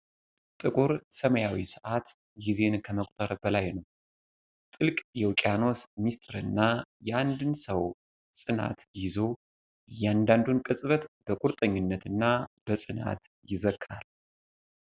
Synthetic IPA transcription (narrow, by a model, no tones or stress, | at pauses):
t̪ʼɨkʼuɾsəməjawisɨʔat̪ | jize̞nkʰəməkʷʼt̪ʰəɾbəlajnəw | t̪ʼɨlkʼjɛwkʼjano̞smist̪ʼɨɾɨnːajɛʔand̪ɨnsəw | sʼɨna̰t̪jɪzo̞ | jɛand̪and̪unkʼɨsʼβət̪b̥əkʼuɾt̪ʼəɲːɪnːət̪ɨnːab̥əsʼɨna̰t̪jɪzəkʰːal